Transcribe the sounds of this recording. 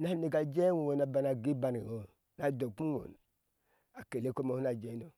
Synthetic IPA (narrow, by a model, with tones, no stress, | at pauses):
na˦ne˨ka˨d͡ʒe˦wo˨wo˨na˨ba˨na˨ɡi˦ba˨n˨i˨o˨ | na˨do˨pu˦o̰˨n | a˨ke˨le˦ko˦mo˨hu˦a˨d͡ʒe˦no˨